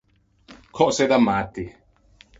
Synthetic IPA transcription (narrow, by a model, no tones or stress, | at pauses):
kʰɔʔsɛd̪amːat̪ːi